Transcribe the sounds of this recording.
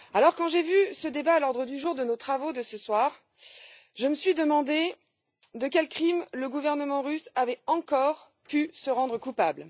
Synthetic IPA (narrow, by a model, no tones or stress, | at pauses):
alɔʁkɑ̃ʒevysəd̪ebaːlɔʁd̪ʁəd̪yʒuʁd̪ənot̪χavod̪əsəswaːʁ | ʒəməsɥid̪əmɑ̃d̪e | d̪əkʲɛlkχimləɡuvɛʁnəmɑ̃ʁysavɛɑ̃kɔʁ | pysəʁɑ̃d̪ʁəkupabl